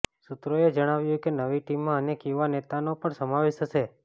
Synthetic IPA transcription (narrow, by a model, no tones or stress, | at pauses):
sut̪ɾoed͡ʒəɽ̃aʋjũkenəʋiʈimːãənekiʋanet̪anopəɳsəmaʋeʃt̪ʰəse